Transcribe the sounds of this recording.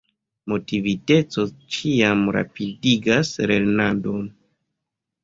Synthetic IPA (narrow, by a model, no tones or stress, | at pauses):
mo̞tivite̞t͡so̞t͡ʃiamɾa̰pidiɡasɾeɾnado̞n